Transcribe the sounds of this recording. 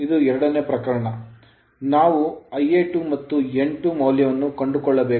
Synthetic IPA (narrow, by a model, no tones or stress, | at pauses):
id̪uɛɾɐɽɐneːpɾɐkɐɾɐɳɐ | naːʋuɐjeʈumɐt̪ːueɳʈumɐwljɐʋɐnːukɐɳɖukɔɭːɐbeː